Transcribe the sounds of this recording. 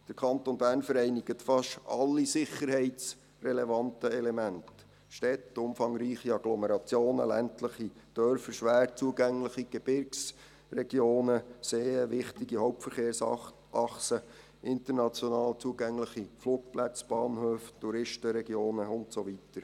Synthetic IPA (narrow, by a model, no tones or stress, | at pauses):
d̥əɾkʰɑnt̪onbæːɾnfəɾɛɪniɡ̥ətfɑʃɑlːisɪχːəɾhɛɪt͡s | rɛlevɑntəɛlemænt | ʃtɛtʊmfɑŋɾiːχiɑɡlɔmeɾɑt͡sjoːnə̰læ̰ntləχid̥œɾfəʃʋæːrtt͡suəɡæŋləχiɡ̥eb̥ɪɾks | rɛɡjoːnəseːəʋɪχt̪iɡihɔʊp̚tfəɾχeːɾsɑ | ʔɑχsə | ʔɪnt̪əɾnɑt͡sjonɑːlt͡suəɡæŋləχifluːk̚plæt͡sb̥ɑːnhøːft̪uɾɪʃtəɾɛɡjoːnəʊntsoʋitəɾ